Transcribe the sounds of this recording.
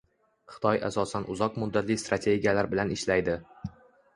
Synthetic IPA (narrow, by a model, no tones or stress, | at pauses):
χɨ̥t̪ʰɒja̰sɒsanʔʊ̰zɒqmʊd̪ːat̪lɪjst̪ɾat̪ʰe̞ɡʲijalaɾbɪlanɪʃlajd̪ɪ